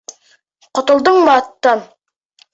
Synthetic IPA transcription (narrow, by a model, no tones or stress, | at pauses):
qŏt̪ŏlˠd̪ɤɴmɑt̪ːɑn